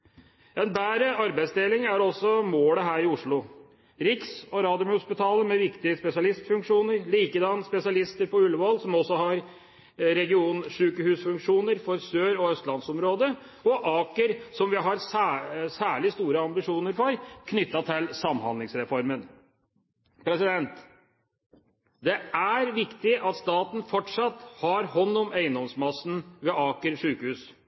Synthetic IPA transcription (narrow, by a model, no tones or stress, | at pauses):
ɛnbæːɾəɑɾbæɪsd̪eːlɪŋæɾɔsɔmoːləɦæːɾɪʊʂɭʊ | ɾɪksɔɾɑːd̪ʊmhʊspɪt̪ʰɑːləmɛʋɪkt̪ɪəspɛsɪɑlɪst̪fʉŋkʂuːnəɾliːkəd̪ɑnːspɛsɪɑlɪst̪əɾpɔʉlʋɑlsɔmɔsːɔɦɑɾ | ɾɛɡɪuːnʂʉːkəhʉːsfʉŋkʂuːnəɾfɔɾsøːɾɔœst̪lɑnsɔmɾoːd̪ə | ɔʔɑːkəɾsɔmʋɪɦɑɾsæsæːɭɪst̪uːɾəɑmbɪʂuːnəɾfɔɾkʰnʏt̪ːɑt̪ʰɪlsɑmhɑ̰nlɪŋsɾɛfɔɾmən | pʰɾɛsɪd̪ɛnt̪ | d̪ɛæɾʋɪkt̪ɪʔɑt̪st̪ɑːt̪n̩fɔʈʂɑt̪ːhɑɾhɔnːɔmæɪənd̪ɔmsmɑsːn̩ʋɛɑːkəɾʂʉːkəhʉːs